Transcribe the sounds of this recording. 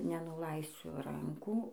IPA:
nʲɛnʊˈlˠɐɪsʲʊ ˈrɐŋkuː

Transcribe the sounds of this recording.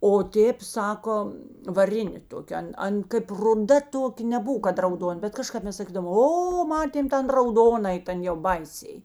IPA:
oː ˈtʲeːp ˈsɑːkoː ʋɐˈrʲɪnʲeː ˈtoːkʲeː ˈɐn ˈɐn kɐɪp rʊˈdɐ ˈtoːkʲeː nʲɛˈbʊw kɐt rɐʊˈdoːn bʲɛt kɐˈʃkɐp ˈmʲɛs sɐˈkʲiːdɐʋoːm ˈoː ˈmɑːtʲeːm ˈtʲɛn rɐʊˈdoːnɐɪ ˈtɐn jɛʊ ˈbɐɪˌsʲɛɪ

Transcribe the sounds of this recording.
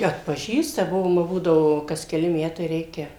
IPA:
ɐtpɐˈʒʲiːstɐ ˈbʊʋoːm ʋɐ ˈbuːdɐʋoː kɐs kʲɛˈlʲɪ ˈmʲæːtɐɪ ˈrʲɛɪkʲɛ

